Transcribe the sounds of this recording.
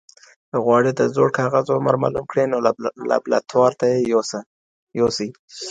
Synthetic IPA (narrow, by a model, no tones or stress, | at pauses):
ɣwɑɽet̪azoɽkɑɣazoɽma̰ɾmɑ̰lumkɽenola̰bla̰t̪ʰwɑɾt̪ajejosa | josi